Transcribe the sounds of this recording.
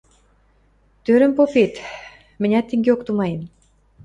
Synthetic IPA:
t̪øɾə̆mpopet̪ | mɘ̆nʲɑt̪ːĕŋɡeokt̪umɑjən

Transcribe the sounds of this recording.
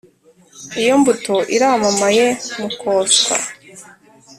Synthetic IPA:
ijo̞mbutoʔiɾaːmamaje̞mukʰoːsa̰

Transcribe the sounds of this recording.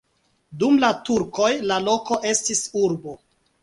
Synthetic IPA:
dumlatuɾko̞jlalo̞ko̞ʔe̞stisuɾbo̞

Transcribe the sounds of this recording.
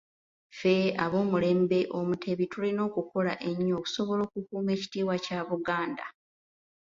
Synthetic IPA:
fe̞aβo̞ːmule̞ːmbe̞ʔo̞mutʰe̞βitulino̞ːkuko̞laʔe̞ɲːo̞ːku̥so̞βo̞lo̞ːkukuːme̞ːci̥tiːwacaβuɡaːnda̰

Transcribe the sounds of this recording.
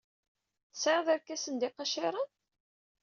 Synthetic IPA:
səðˤæɾkːæsənd̪ɪqɑʃɪɾˤən

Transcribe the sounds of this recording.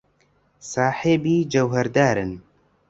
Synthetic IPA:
saːħeːbiːd͡ʒɐwɦɛɾd̪aːɾɨn

